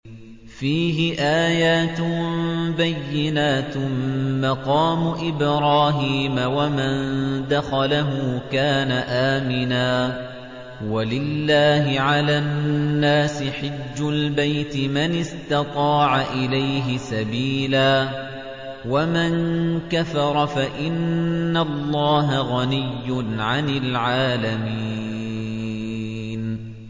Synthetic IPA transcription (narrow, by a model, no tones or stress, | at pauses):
fiːɦɪʔaːjaːt̪ | bajːɪnaːt̪mɑqɑːmʊʔɪbɾɑːɦiːmawamand̪axalaɦʊkaːnaʔaːmɪnaː | walɪlːaːɦɪʕalaːnːaːsɪħɪd͡ʒːʊlbajt̪ɪmanɪst̪ɑt̪ˤɑːʕaʔɪlajɦɪsabiːlaː | wamankafɑɾˤɑfaʔɪnːalːɑːɦaɣanɪjːʊnʕanɪlʕaːlami | n